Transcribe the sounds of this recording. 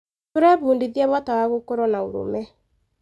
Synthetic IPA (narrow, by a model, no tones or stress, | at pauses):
toɾɛβuːndiðiɛβɔtawaɣokoɾɔnaoɾo̰mɛ